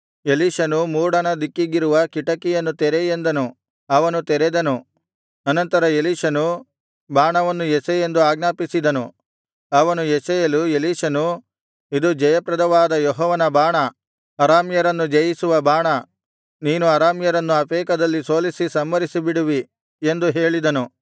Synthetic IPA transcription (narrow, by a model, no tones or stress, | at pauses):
eliːʃɐnumuːɽɐnɐd̪ikːiɡiɾuʋɐkiʈɐkijɐnːut̪ɛɾejend̪ɐnu | ɐʋɐnut̪ɛɾed̪ɐnu | ɐnɐnt̪ɐɾɐeliːʃɐnu | baːɳɐʋɐnːujesejend̪uaːɡnaːpisid̪ɐnu | ɐʋɐnujesɐjɐlueliːʂɐnu | id̪ud͡ʒɐjɐpɾɐd̪ɐʋaːd̪ɐjɔɦɔːʋɐnɐbaːɳɐː | ɾaːmjɐɾɐnːud͡ʒɐjisuʋɐbaːɳɐ | niːnuɐɾaːmjɐɾɐnːuɐpeːkɐd̪ɐlːiso̞ːlisisɐmːɐɾisibiɽuʋi | e̞nd̪uɦeːɭid̪ɐnu